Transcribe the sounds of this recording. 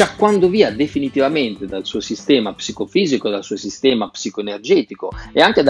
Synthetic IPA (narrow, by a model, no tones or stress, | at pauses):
t͡ʃakːwand̪oviːad̪efinit̪ivamɛnt̪ed̪alsuːosist̪ɛːmapsikofiːzikod̪alsuːosist̪ɛːmapsikoenerd͡ʒɛːt̪ikoɛaŋked̪